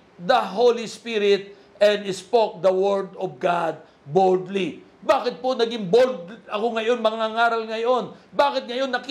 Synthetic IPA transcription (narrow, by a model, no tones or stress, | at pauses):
d̪ɐɦowlispiɾɪt̪̚ | ʔɛ̃nd̪ɪspok̚d̪ɐwɛɹd̪ɔvɡad̪̚ | bold̪li | baːkɪt̪̚po̞nɐɡɪŋbold̪ɐkoŋɐjo̞nmɐŋaŋaːɾɐlŋɐjo̞nbaːkɪt̪̚ŋɐjo̞nːɐk